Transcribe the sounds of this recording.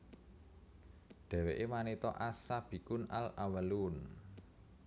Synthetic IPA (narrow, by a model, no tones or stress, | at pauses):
ɖ̪̥ɛ̤weʔemanit̪ɔʔasab̥i̤kʊnalawəlun